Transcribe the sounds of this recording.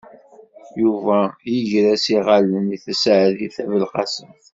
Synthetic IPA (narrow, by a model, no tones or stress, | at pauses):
juvæjəʝɾæsiʁaləniθəsʕðiθævəlqɑsən